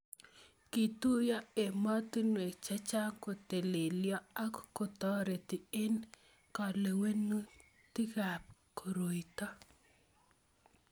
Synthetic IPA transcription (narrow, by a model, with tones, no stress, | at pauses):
ki˨t̪u˦jɔ˦e˨mɔ˦t̪i˦nwe˨t͡ʃa˦t͡ʃa˦ŋko˨t̪e˨le˨ljɔ˦a˦kko˨t̪ɔ˦ɾe˨t̪i˨e˦n | kɔ˨le˨we˦nu˦ | t̪i˦ɡa˨p̚ko˨ɾo˨jt̪ɔ˦